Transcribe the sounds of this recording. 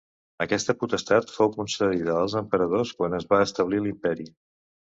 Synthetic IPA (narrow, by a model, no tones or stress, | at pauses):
əkɛst̪əput̪əst̪at̪fowkunsəðiðəːlˠzəmpəɾəð̞oskwanəzβaəst̪əβ̞lilimpɛɾi